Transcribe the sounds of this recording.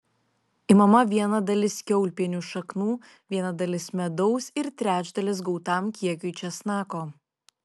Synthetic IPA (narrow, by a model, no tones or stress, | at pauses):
imɐmɐʋʲiɛnɐd̪ɐlʲɪskʲɛʊlʲpʲiɛnʲuʃɐknuː | ʋʲiɛnɐd̪ɐlʲɪsmʲɛd̪ɔʊsɪɾt̪ʲɾʲæːd͡ʒd̪ɐlʲɪsɡɒʊt̪ɑˑmkʲiɛkʲʊɪt͡ʃʲɛsnɑːkoː